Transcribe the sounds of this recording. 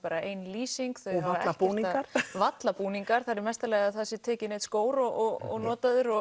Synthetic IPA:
paːɾaeːjnliːsiŋkθœaalɛlapuniaɾ̥vat̪lapuːniŋkaɾ̥θaɾɪɾmɛst̪alɛɣaðθasɪt̪ʰɛːcɪneːðskoːwɾɔʔɔɔ̰ɣnɔːt̪aðʏɾɔ

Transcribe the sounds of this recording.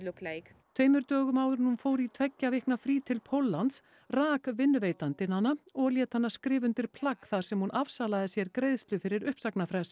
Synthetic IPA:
lʏkle | t̪ʰveːjmʏɾt̪œːɣʏmaːwðʏɾnunfoːwɾit̪ʰvɛcːavihknafɾiːt̪ʰɪlpʰowlːant̪s | raːkvɪnːveːjt̪ant̪ɪnhanːaɔɣljɛːt̪hanːaskɾɪːvʏnt̪ɪɾ̥pʰlakθḁsɛmhunʔav̥saːlaðɪsjɛɾkɾeːjðst̪lʏfɪɾɪɾʏhpsaknafɾɛs

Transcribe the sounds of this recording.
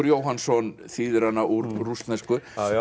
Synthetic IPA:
ʏɾjoːwɦansɔn | θiːðʏɾanːaʔuɾrust̪nɛskʏ

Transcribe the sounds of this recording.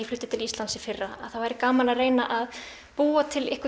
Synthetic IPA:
flʏht̪ːɪ̥t̪ʰɪlist̪ansɪfɪrːaa̰ðθawvajɾɪkaːmalareːjnaʔað | puːat̪ʰɪlɪhkvʏ

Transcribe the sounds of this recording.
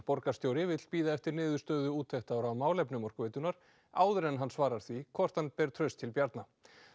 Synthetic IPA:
pɔɾkast̪joːwɾɪvɪt̪l̥piːðaɛft̪ɪɾnɪːðʏ̥st̪œːðʏuːt̪ʰːɛht̪awɾavmaːwlɛpnʏmɔrkvɛːt̪ʏnaɾ̥ | a̰ːwðʏɾɛnɦanːsvaːɾaɾ̥θvikʰvɔr̥t̪hanpɛːɾ̥t̪ʰɾœɥst̪ʰɪlpjaɾt̪na

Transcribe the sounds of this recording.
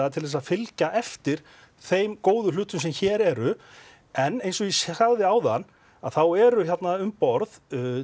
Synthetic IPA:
at̪ʰɪlðɛs̬aðfɪlcaʔɛft̪ɪɾ̥ | θejmkoːwðʏlʏht̪ʏms̬ɛmçɛːɾɛɾʏ | ɛnːejnsɔɣisaɣðɪaːwða̰nː | aðθawɛɾʏçat̪naʏmpɔɾð

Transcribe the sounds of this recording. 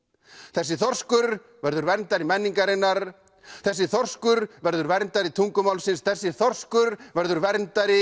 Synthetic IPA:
θɛsːɪθɔr̥skʏɾ | vɛɾðʏɾvɛɾnt̪aɾɪmɛnːiŋkaɾɪnːaɾ | θɛsːɪθɔr̥skʏɾvɛɾðʏɾvɛɾnt̪aɾɪt̪ʰuŋkʏmawlsɪnsθɛsːɪθɔr̥skʏɾvɛɾðʏɾvɛɾnt̪aɾɪ

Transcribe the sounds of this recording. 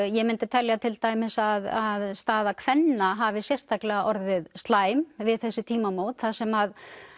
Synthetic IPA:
jɛmɪnt̪ɪt̪ʰɛljat̪ʰɪlt̪aːjmɪsaðaðst̪aːðakʰvɛnːaɦaːvɪsjɛst̪ʰaklɛɣaʔɔɾðɪðst̪laːjmvɪðθɛsːɪt̪ʰiːmamoːwt̪θasɛmað

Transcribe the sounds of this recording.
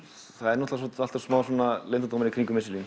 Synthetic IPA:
θaðɛɾnɔht̪lasɔt̪alt̪ḁsmaːwsɔnalejnt̪at̪owmɪnikɾiŋkʏmɪsɪlin

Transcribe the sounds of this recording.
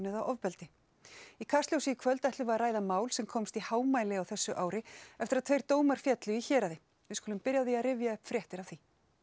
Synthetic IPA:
nʏðaʔɔvpɛlt̪ɪ | ikʰast̪ljowsɪikʰvœlt̪ɛht̪lʏvaraːjðamaːwlsɛmkʰɔmst̪ihaːwmaːjlɪawθɛsːʏʔaːwɾɪɛft̪ɪɾaðt̪ʰejɾ̥t̪oːwmaɾ̥fjɛt̪lʏiçɛːɾaðɪ | vɪskɔːlʏmpɪɾjaðiaðrɪvjaʏhpfɾjɛht̪ɪɾawθi

